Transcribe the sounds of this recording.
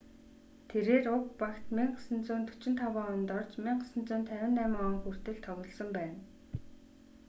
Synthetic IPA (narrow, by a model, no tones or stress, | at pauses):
t̪ʰeɾeːrʊkpakt̪miɴɢsə̆nt͡sʊːnt̪ʰɵ̥t͡ɕɪ̆nt̪ʰawaːʊnt̪ɔrt͡ɕmiɴɢə̆sə̆nt͡sʊːnt̪ʰːæwʲɪ̆nt̪æmɔŋxur̥t̪ɘ̆ɮt̪ʰɔɣʲɞ̆ɮsɞ̆mpæːn